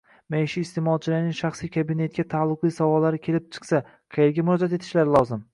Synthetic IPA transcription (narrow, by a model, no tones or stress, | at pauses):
majʃiːst̪e̞mɒlˠt͡ʃʰɪlɪɾnɪŋʃaχsijkʰabɪne̞t̪̚kʲat̪ʰalˠːʊqijsavɒlːaɾɪkʲʰe̞lɪp̚t͡ʃʰɨ̥qsa | qʰejeɾɡʲamʊɾɒd͡ʒat̪e̞t̪ʰɪʃlaɾɪlˠɒzɪm